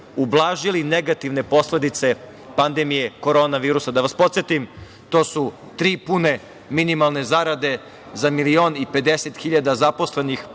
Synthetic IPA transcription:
ublˠaːʒilineɡat̪iʋne̞po̞sled̪it̪se̞ | pand̪emije̞ko̞ɾo̞naʋiːɾusad̪aʋaspo̞t̪sjet̪im | t̪o̞ːsu | t̪ɾiːpune̞ | minimalˠne̞zaɾad̪e̞ | zamilio̞ːnipe̞d̪eset̪xiʎad̪azaposle̞nix

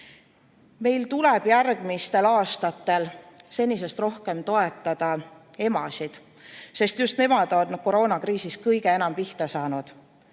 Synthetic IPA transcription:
me̞jlt̪ulɛb̥jærɡ̥mist̪e̞lɑːst̪ɑt̪ːˑe̞lse̞nʲːise̞st̪ro̞hke̞mt̪o̞e̞t̪ːˑɑd̪̥ɑ | e̞mɑsid̪̥ | se̞st̪just̪ne̞mɑd̪̥o̞nko̞ɾo̞ːnɑkɾiːsiskɤjɡ̥e̞e̞nɑmpiht̪ɑsɑːnud̪̥

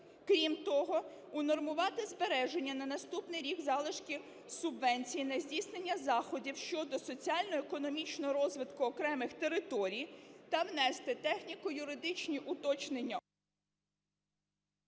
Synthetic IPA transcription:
kɾʲimt̪ɔɦɔ | ʊnɔrmʊʋɑt̪ɪzbeɾɛʒe̞nʲːɐnɐnɐst̪upnɪjɾʲiɡzɑlˠɪʃkʲi | sʊbʋɛnʲt͡sʲijinɐzʲdʲisnenʲːɐzɑxɔdʲiwʃt͡ʃɔd̪ɔsɔt͡sʲiɑlʲnɔɔekɔnɔmʲit͡ʃnɔɦɔɾɔzʋɪt̪kʊɔkɾɛmɪxt̪e̞ɾɪt̪ɔɾʲijt̪ɐwnɛst̪ɪt̪ɛxnʲikʊjʊɾɪd̪ɪt͡ʃnʲiʔʊt̪ɔt͡ʃnenʲːɐ

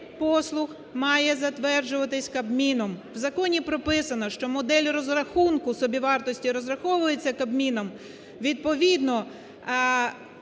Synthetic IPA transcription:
pɔslˠʊx | mɑjɛzɐt̪ʋɛrd͡ʒʊʋɐt̪ɪsʲkɐbmʲinɔmwzɐkɔnʲipɾɔpɪsɐnɔʃt͡ʃɔmɔd̪ɛlʲrɔzrɐxunkʊsɔbʲiʋɑrt̪ɔsʲtʲiɾɔzrɐxɔʋʊjet͡sʲːɐkɐbmʲinɔm | ʋʲid̪̚pɔʋʲid̪nɔ

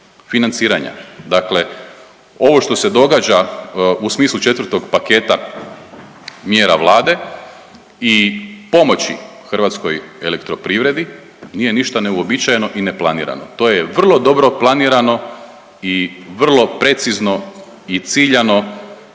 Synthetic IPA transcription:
finant̪siːɾaɲa̰d̪akle̞ | o̞ʋo̞ʃt̪o̞se̞d̪o̞ɡaːd͡ʒausmiːslˠut͡ʃe̞t̪ʋər̩t̪o̞ɡpake̞ːt̪a | mjeːɾa̰ʋlˠaːd̪e̞ | ipo̞mo̞t͡ɕḭ | xr̩ʋat̪sko̞je̞lekt̪ɾo̞pɾiːʋɾe̞d̪i | niːje̞niʃt̪aneuobit͡ʃajeno̞ʔine̞plˠanḭːɾa̰not̪o̞ːjeʋr̩lˠo̞d̪o̞bɾo̞plˠaniːɾano̞ | iʋr̩lˠo̞pɾe̞t̪sizno̞ | it̪siːʎano̞

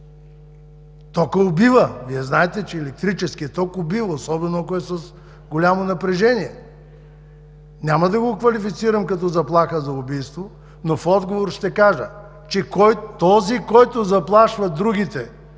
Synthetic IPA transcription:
t̪ɔkɐʊbivəviɛznaɛt̪ɛt͡ʃɛːlɛk̚t̪ɾit͡ʃɛskʲiɛt̪ɔkʊbivəosɔbɛnoakoɛsəs | ɡolʲamonɐpɾɛʒɛniɛ | nʲamɐd̪ɐɡokvɐlifit̪siɾɐmkɐt̪̬ɔzɐplˠaxəzɐʊbijst̪vo | nofɔd̪ɡovoɾʃt̪ɛkaʒə | t͡ʃɛkɔjt̪ɔzikɔjt̪ʊzɐplˠaʃvɐd̪ɾuɡ̟ʲit̪ɛ

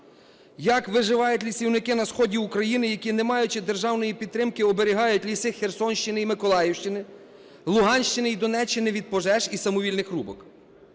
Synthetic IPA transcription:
jɐkʋɪʒɪʋɑjʊtʲlʲisʲiwnɪkɪnɐsxɔdʲiukɾɐjinɪjɐkʲinemɑjʊt͡ʃɪd̪erʒɑwnɔjipʲid̪t̪ːɾɪmkɪɔbeɾʲɪɦɑjʊtʲlʲisɪxersɔnʲʃt͡ʃɪnɪimɪkɔlˠɑjɛwʃt͡ʃɪnɪ | lˠʊɦɑnʲʃt͡ʃɪnɪid̪ɔnɛt͡ʃːɪnɪʋʲid̪̚pɔʒɛʒisɐmɔʋʲilʲnɪxrubɔk

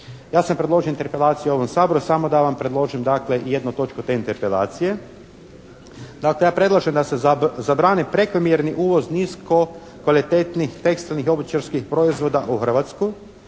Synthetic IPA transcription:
jaːsampɾe̞d̪loʒiint̪eɾpe̞lˠaːt̪sijuo̞ʋo̞msaːbɾusamo̞d̪aʋampɾe̞d̪lˠo̞ːʒimd̪akle̞ije̞d̪not̪o̞t͡ʃkot̪e̞int̪eɾpe̞la̰ːt̪sije̞ | d̪aklejaːpɾe̞d̪lˠaʒemd̪ase̞zabɾaːnipɾe̞komjeɾniʔuːʋo̞zniːsko̞ | kʋalit̪eːt̪nixt̪e̞kst̪ilnixo̞bit͡ʃaɾskixpɾoizʋo̞d̪aʔuxr̩ʋat̪sku

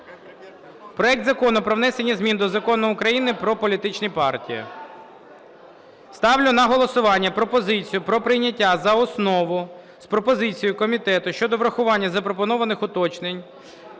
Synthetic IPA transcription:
pɾɔɛk̚d̪zɐkɔnʊpɾɔʋnɛsenʲːɐzmʲind̪ɔzɐkɔnʊʊkɾɐjinɪpɾɔpɔlʲit̪ɪt͡ʃnipɑrtʲijɐ̰ | st̪ɑwlʲʊnɐɦɔlˠɔsʊʋɑnʲːɐpɾɔpɔzɪt͡sʲijʊpɾɔpɾɪjnʲɐtʲːazɐɔsnɔʋʊ | spɾɔpɔzɪt͡sʲijʊkɔmʲit̪ɛt̪ʊʃt͡ʃɔd̪ɔʋɾɐxʊʋɑnʲːɐzɐpɾɔp̬ɔnɔʋɐnɪxʊt̪ɔt͡ʃnenʲ

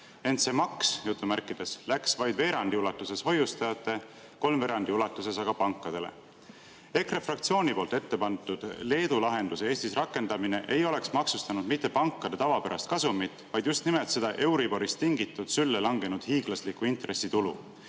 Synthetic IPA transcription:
e̞nt̪se̞mɑksjut̪ːˑumærkːˑid̪̥e̞slæksvɑjd̪ve̞ːɾɑnd̪iulɑt̪ːˑuse̞sho̞just̪ɑjɑt̪ːˑe̞ | ko̞lmve̞ːɾɑnd̪̥iulɑt̪ːˑuse̞sɑɡ̥ɑpɑŋkːˑɑd̪̥e̞̰le̞̰ | e̞krefrɑk̚t̪sio̞ːnʲipo̞ːlt̪e̞t̪ːe̞pɑnt̪ːˑud̪̥le̞ːd̪ulɑɦe̞nd̪̥usee̞ːst̪isrɑkːˑe̞nd̪̥ɑmine̞ʔe̞jo̞le̞ksmɑksust̪ɑnud̪mit̪ːˑe̞pɑŋkːˑɑd̪̥et̪ɑvɑpeɾɑst̪̚kɑsumit̪ːvɑjd̪̥just̪nimelt̪se̞d̪̥ɑʔe̞wɾibo̞ɾist̪iŋɡit̪ːˑud̪̥sylːelɑŋɡe̞nud̪̥hiːɡ̥lɑslikːˑuint̪re̞sit̪ulṵ

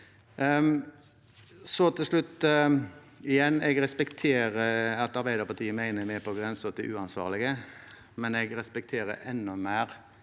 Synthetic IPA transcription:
sɔt̪ʰɪslʉt̪ː | ɪjɛnːɛɡɾɛspɛkt̪ʰeːɾəɑt̪ɑɾbæɪd̪əpɑʈt̪ʰiːəmæɪnəmpʰɔɡʁɛnsəɔt̪̚d̪ɛʔʉːɑnsʋɑ̰ːʁlɪɡə | mɛnɛɡɾɛspɛkt̪ʰeːɾə̰ʔɛnːɔmæːɾ

